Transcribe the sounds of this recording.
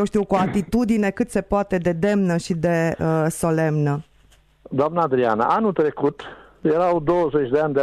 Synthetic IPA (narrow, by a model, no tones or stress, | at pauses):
jewʃt̪iuwkuat̪it̪ud̪ine̞kɨt̪se̞poat̪e̞d̪e̞d̪e̞mnəʃid̪e̞əso̞le̞mnə | d̪oamnaːd̪ɾia̰na̰ʔanult̪ɾekut̪ | jeɾawd̪owəzet͡ʃʲd̪eanʲd̪e